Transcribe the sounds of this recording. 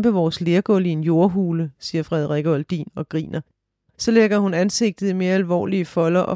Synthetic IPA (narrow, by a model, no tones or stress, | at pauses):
b̥əʋɒːsle̝ːɐɡ̥ɔlie̝njo̝ɐɦuːləsiːɐfʁɛð̞ˠʁɛɡ̥ɒld̥ḭːnɒ̽ɡ̥ʁḭːnʔɐ | sɒ̽leɡ̥ɐhunænse̝ɡ̥̚d̥ð̩ˠime̝ːɐælʋɒ̰ːliəfɒ̽lɐʔɒ̽